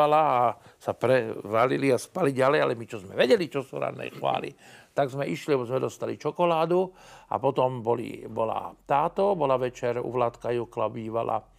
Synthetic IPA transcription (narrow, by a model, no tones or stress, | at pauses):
alaːsapɾɛʋaliliaspaliɟalɛjalɛmit͡ʃɔzmɛʋɛɟɛlit͡ʃɔsuɾa̰d̪ɛ̰jxʋa̰ːlḭt̪aɡzmɛʔiʃliabɔzmɛd̪ɔst̪alḭt͡ʃɔkɔlaːd̪ua̰pɔt̪ɔmbɔlḭbɔla̰t̪aːt̪ɔbɔlaʋɛt͡ʃɛɾṵʋlat̪kajuklabiːʋala̰